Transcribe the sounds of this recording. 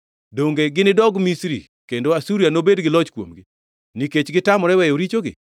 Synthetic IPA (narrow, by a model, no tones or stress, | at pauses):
doŋɡeɡɪnɪdɔɡmisɾḭ | kendoasuɾianobedɡɪlɔt͡ʃkwo̰mɡɪ | niket͡ʃɡɪtamɔɾɛwɛjoɾit͡ʃoɡɪ̰